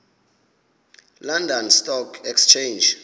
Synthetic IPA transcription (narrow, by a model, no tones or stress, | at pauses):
landɔnstʼɔkʰɛkst͡ʃʰend͡ʒ